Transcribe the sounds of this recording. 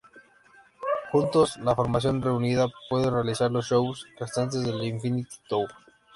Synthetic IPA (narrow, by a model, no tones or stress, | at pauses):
xunt̪oslafo̞ɾmasjo̞nre̞uniðapwe̞ðerealisaɾlosʃo̞wsrest̪ant̪̬e̞zðeliɱfinit̪i̥t̪owp